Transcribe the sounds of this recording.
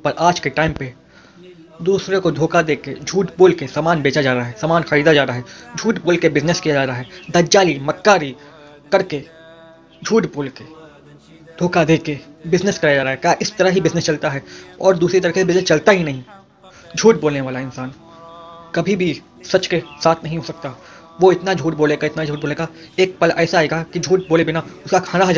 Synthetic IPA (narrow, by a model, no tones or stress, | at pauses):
pɐɾʔaːd͡ʒkeʈaːɪmpe | d̪uːsɾekod̪ʱoːkad̪eːked͡ʒʱuːʈboːlkesaːmaːnbeːt͡ʃad͡ʒaːɾaaɦɛsaːmaːnxɐɾiːd̪ad͡ʒaːɾaːɦɛd͡ʒʱuːʈboːlkebɪznəskijad͡ʒaːɾaɦɛd̪ɐɾd͡ʒaːlimɐkːaːɾi | kɐɾke | d͡ʒʱuːʈboːlke | d̪ʱoːkad̪eːkebɪznəskijad͡ʒaːɾaːɦɛkjaːʔɪst̪ɐɾəɦɦibɪznəst͡ʃɐlt̪aɦɛːɔ̰ːɾd̪uːsɾit̪̬ɐɾikesebɪznəst͡ʃɐlt̪aɦinɐɦĩ | d͡ʒʱuːʈboːlneʋaːlaɪnsaːn | kɐbʱibʱi | sɐt͡ʃkesaːt̪ʰnɐɦĩɦoːsɐk̚t̪a | ʋoɪt̪nad͡ʒʱuːʈboːleːɡaɪt̪nad͡ʒʱuːʈ̚boːleːɡa | eːk̚pɐlʔɛːsaaːeːɡakid͡ʒʱuːʈboːlebɪnaʊskakʰaːnaɦɐd͡ʒ